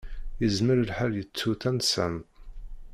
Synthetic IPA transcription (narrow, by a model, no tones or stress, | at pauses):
jəzməɾəlħəljət͡sːuθænsæ̰m